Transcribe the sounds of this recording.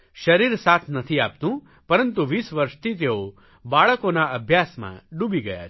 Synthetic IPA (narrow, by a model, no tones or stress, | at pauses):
ʃɐɾiɾsaːt̪ʰnɐt̪ʰiaːp̚t̪ũ | pɐɾənt̪uʋiːsʋəɾʃt̪ʰit̪̬eo | baːɭəkonaɐbʱjaːsmã̰ɖubiɡɐja̰